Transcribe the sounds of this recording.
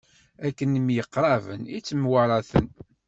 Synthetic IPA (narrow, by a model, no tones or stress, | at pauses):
ækːənəmjəqːɾˤɑvə̰nit͡sːəmwaɾˤɑθə̰n